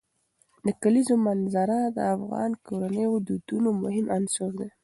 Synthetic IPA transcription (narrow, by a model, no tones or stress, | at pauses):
d̪əkalizomanzaɾad̪ə̰afɣɑ̰nkoɾanəjʊd̪ud̪̥unomʊhɪmansoɾd̪e